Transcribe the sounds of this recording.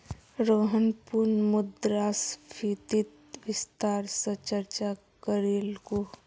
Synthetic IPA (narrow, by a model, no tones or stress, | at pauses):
ɾoːɦənpuɾnmʊd̪ɾaːspʰit̪it̪ | ʋɪst̪aːɾsət͡ʃəɾt͡ʃa | kəɾiːlko